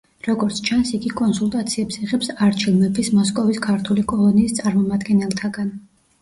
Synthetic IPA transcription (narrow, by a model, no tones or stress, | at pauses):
ɾɔɡɔɾt̪sʰt͡ʃʰansiɡikʼɔnsulˠt̪ʼat̪sʰiɛpsiʁɛpsaɾt͡ʃʰilˠmɛbismɔskʼɔviskʰaɾt̪ʰulikʼɔlˠɔniːst̪sʼaɾmɔmad̪ɡɛnɛlˠt̪ʰaɡan